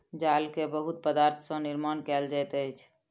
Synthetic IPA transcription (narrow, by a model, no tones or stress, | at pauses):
d͡ʒalkebəɦut̪̚pəd̪aɾt̪ʰəsə̃niɾmankɛld͡ʒajt̪əjt͡ʃʰ